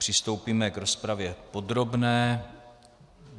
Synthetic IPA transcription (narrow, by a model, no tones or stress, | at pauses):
pr̝̥ɪst̪owpiːmɛɡɾo̞spɾavjɛpo̞d̪ɾo̞bnɛː